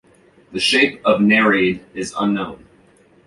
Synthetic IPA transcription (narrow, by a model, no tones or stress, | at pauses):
ðɨʃeɪpʌvnɛɹiɾɪzʌ̰̃nːõʊ̃n